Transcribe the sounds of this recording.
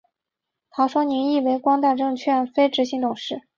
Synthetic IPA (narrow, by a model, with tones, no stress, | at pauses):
t̪ʰɑ˧˥ʊʂwɔ˥ni˧˥ŋi˥˩we˧˥ɪkwɑ˥ŋt̪a˥˧ʈ͡ʂɤ˥˧ŋt͡ɕʰɥɛ˥˩nfe˥ɪʈ͡ʂɻ̩˧˥ɕi˧˥ŋt̪ʊ˨˩ŋʂɻ̩˥˩